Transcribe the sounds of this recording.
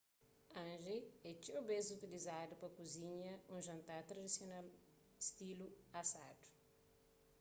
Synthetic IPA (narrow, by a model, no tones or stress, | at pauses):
ɐ̃nʒeɛt͡ʃebezut̪ilizadupɐkuziɲɐũʒɐ̃nt̪aɾt̪ɾɐd̪isional | st̪iluasadu̥